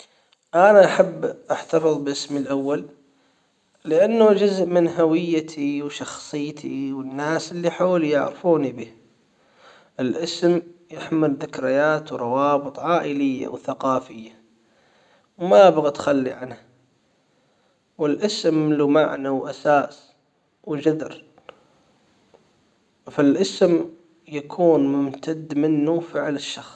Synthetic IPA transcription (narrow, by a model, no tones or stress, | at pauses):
ʔanaʔaħabːʔaħt̪afɨðˤbʔɪsmɪlʔawːal | ɪʔanːud͡ʒʊzʔmɪnɦawɪjːat̪ʰiwʃɑxsˤɨjːt̪ʰiwɪnːaːsɪlːiħoːljɪ̰ʕɾfuːnibiːh | ʔɪlʔɪsmjɪħmɪlðɪkɾɪjaːt̪wɾˤɑwɑːbɨt̪ˤʕaːʔɪlɪjːa̰wθaqɑːfɪjːa | wmabɣat̪xalːḭʕanha | wɪlʔɪsmlumaʕnawʔasaːs | wd͡ʒad̪ɾ | fɪlʔɪsm | jakʰuːnmʊmt̪ad̪ːmɪnːufɪʕlɪʃːɑxs